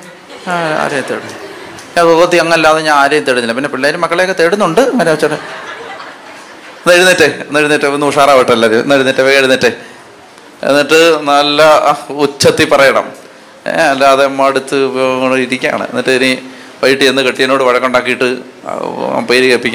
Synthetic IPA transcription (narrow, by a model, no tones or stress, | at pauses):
aa̰ːɾɐjɐmt̪eɽunːu | ɲaot̪ːiɐŋːɐɐlːaːðeɲanaːɾɐjɐmt̪eɽunːilːɐp̬inːe̞piɭːaːjilumɐkːɐɭejokːet̪eɽunːuɳɖɨɐŋːɐneut͡ɕːɐðe | neɻunːiʈːeenːeɻunːiʈːɨnːɨuʂaːɾaːʋiʈːɨɐlːɐðemḛnːeɻunːiʈːeʋeeɻunːiʈːe | ḛnːiʈːɨnɐlːɐut͡ɕːɐt̪ːipɐrɐjɐɳɐ̰m̰ | ɐlːaɐðemːɐɽut̪ːɨɳiɾikʲːa̰ːɳɨ̰enːiʈːɨɐni | ʋɐjiʈːienːɨkeʈːijɐno̞ːɽɨʋɐɻɐkːouɳɖaːkːijiʈːɨ̰ | pejɾikepːikʲːa